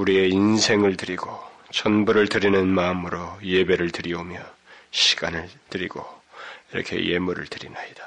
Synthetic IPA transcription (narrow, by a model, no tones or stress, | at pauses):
uɾie̞insʰe̞ŋɯɭtɯɾiɡot͡ɕʰʌnbuɾɯɭtɯɾinɯnmaɯmɯɾoje̞be̞ɾɯɭtɯɾiomjʌɕʰi̥ɡ̥anɯɭtɯɾiɡ̥oiɾʌ̰kʰe̞̰je̞muɾɯ̰ɭtɯɾḭnaidḁ